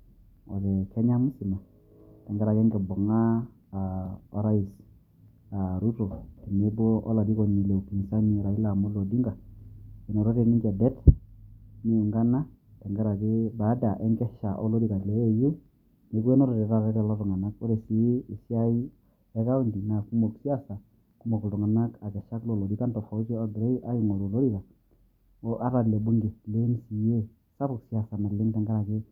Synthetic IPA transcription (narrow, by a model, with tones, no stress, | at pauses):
ɔ̰˨ðɛ˨kɛ˦ɲa˦mu˦sɪ˨na˨ | tɛ˨ŋɡɛ˦ɾa˨kɛ˦ŋɡɛ˨bɔ˨ŋa˦˨ | ɔ˦ɾa˦i˨s | a˨ɾu˦to˨ti˨ne˦bo˦ɔ̰˦la˨di˦kɔ˨ɲi˨le˨u˨pi˨n˨sa˦ɲi˦˨ɾa˨i˦la˨mo˦lo˨di˦ŋɡa˨ɛ˨nɔ˨ɾo˦de˨ni˦ŋd͡ʒɛ˨dɛ˦t | ni˦ɛ˨ŋɡa˦na˦tɛ˨ŋɡɛ˦ɾa˨ɡɪ˦ba˨˦da˨ʔɛ˦ŋɡɛ˦ʃa˨ʔɔ̰˦lo˦di˦˨ka˨le˨˦e˦ju˦ | ne˨kwe˦nɔ˦ɾɔ˨dɛ˨ɾa˦ɾe˦ɾɛ˨lɔ˦tɔ˨ŋa˨na˦ko˦ɾe˨si˨˦˨sa˦i˦ | ɛ˦ka˦u˦ndi˨na˨ku˦mo˨ksi˦a˦sa˨ | ku˦mo˨ktɔ˨ŋa˨na˦ka˨ka˨ʃa˦klo˨lo˨di˨˦ka˦ntɔ˨fa˨˦t͡ʃɔ˦a˦ɡɾe˦i˦ʔa˦ji˨ŋɔ˨lo˨lo˦ɾi˦ka˨ | o˦ʔa˦ɾa˨dle˨bu˦ŋɡe˨le˦nsi˨je˦ | sa˦bu˨ksi˨a˨sa˨ma˨lɪ˦nta˨ŋɡa˦ɾa˨kɪ˦